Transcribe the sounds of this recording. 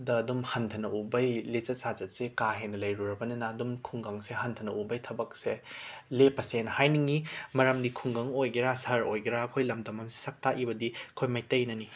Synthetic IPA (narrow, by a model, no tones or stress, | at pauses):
dɐːdumhɐntʰɐnɐubɐjlet͡ʃɐt̚sazɐt̚sekaɦenːɐlɐjɾuɾɐbɐnɐnɐːdumkʰuŋɡaŋseɦɐntʰɐnɐʔubɐjtʰɐbɐk̚selepɐsenhajniŋimɐɾɐmdikʰuŋɡɐŋojɡiɾasɐɾojɡiɾaɐkʰojlɐmdɐmɐmsi̥sɐk̚taʔibɐdiɐkʰojmajtɐjnɐni